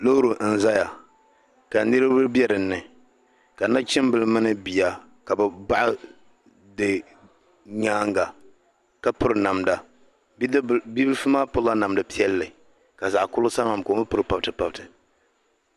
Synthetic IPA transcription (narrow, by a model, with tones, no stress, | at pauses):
lo˦ɾu˨n̩˨za˦ja˨ | ka˨nɨ˦ɾɨ˦bɨ˦bjɛ˦ɾɨ˨nːɨ˨ | ka˨na˦t͡ʃɪ˦mbɨ˨lɨ˦mɨ˦nɨ˦bi˨ja˨ | ka˨bɨ˨ba˦ʔa˦ | dɨ˨ | ɲaː˦ŋɡa˨ | ka˦pʊ˦ɾɨ˨na˨mda˨˦ | bi˦bɨ˦fɨ˦maː˦pʊ˦la˦na˨mdɨ˨pi˦ɛ˦lːɨ˨ | ka˨za˨ʔkʊ˦lʊ˦sa˦ma˨m˨ko˨˦ɨ˦pʊ˦ɾɨ˦pa˨btɨ˨pa˨b̚tɨ˨